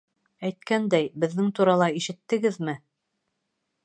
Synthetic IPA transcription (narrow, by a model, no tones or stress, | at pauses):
æjt̪̚kænd̪æjbɘ̆ðːɘŋt̪uɾɑlˠɑiʃɘ̆t̪ːɘ̆ɡɘðmɘ